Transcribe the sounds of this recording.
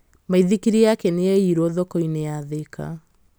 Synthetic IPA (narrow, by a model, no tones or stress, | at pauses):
maiðikiɾiakɛneɛiɾoðɔkɔineaðekʰa̰